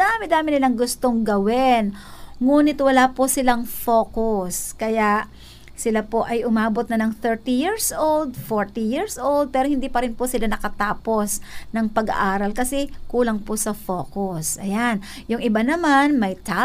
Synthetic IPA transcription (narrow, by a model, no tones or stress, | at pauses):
d̪aːmɪd̪aːmɪnɪlaŋɡʊst̪oŋɡɐwɪnŋuːnɪt̪wɐlaːposɪlaŋfoːkʊskɐjaʔ | sɪlapo̞ʔɐjʔʊmaːbot̪nɐnɐŋθɛɹt̪ijiɹsʔold̪̚foɹt̪ijiɹsʔowld̪̚pɛːɾohɪnd̪iːpɐɾɪnposɪlanɐkɐt̪aːpo̞snɐŋpɐɡa̰ʔaːɾɐlkɐsɛkuːlɐŋposɐfo̞ːkʊsʔɐ̰jan | jʊŋʔɪbanɐmanmɐjt̪a